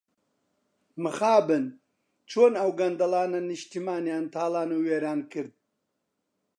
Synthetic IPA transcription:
mɨxaːbɨn | t͡ʃʰoːnɐwɡɐnd̪ɐlaːnɐniʃt̪imaːnjaːnt̪ʰaːlaːnuːweːɾaːnkɨɾd̪̚

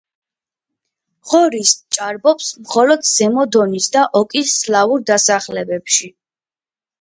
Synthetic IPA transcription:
ʁɔɾist͡ʃʼaɾbɔpsmχɔlɔd̪z̥ɛmɔd̪ɔnisd̪aʔɔkʼisːlauɾd̪asaχlɛbɛpʃi

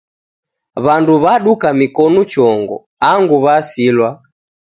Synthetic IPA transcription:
βanduβaɗukamikɔnut͡ʃɔŋɡɔ̰ | aŋɡuβasilwa

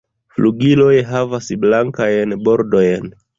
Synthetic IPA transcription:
fluɡilo̞jɦavasblaŋkajnbo̞ɾdo̞jn

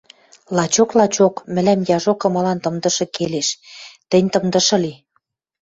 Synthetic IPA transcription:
lɑt͡ɕoklɑt͡ɕokmɘ̆læmjɑʒokɤ̆mɤ̆lɑnt̪ɤ̆md̪ɤ̆ʃɤ̆keleʃt̪ɘ̆nʲt̪ɤ̆md̪ɤ̆ʃɤ̆li

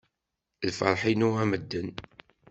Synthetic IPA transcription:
lfə̰ɾˤħinuaməd̪ːən

